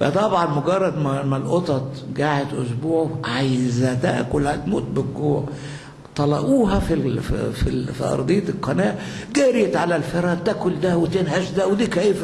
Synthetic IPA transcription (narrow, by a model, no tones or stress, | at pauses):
fæ̰t̪ˤɑbʕɑnmoɡɑrˤːɑd̪mmælʔot̪ˤɑt̪ˤɡaːʕet̪ʔʊ̰s̬buːʕoʕajzæt̪æ̰ʔkʊlhæt̪mṵːt̪̚bɪɡɡuːʕ | t̪ˤɑlɑ̰ʔuːɦɑfifḭfḭfḭʔɑ̰ɾˤd̪ˤejːɑt̪lqɑnæːʔɡæːɾɪjæt̪ʕalælfeɾˤɑt̪ækʊld̪æwet̪enhæʃd̪æwed̪iːkæjf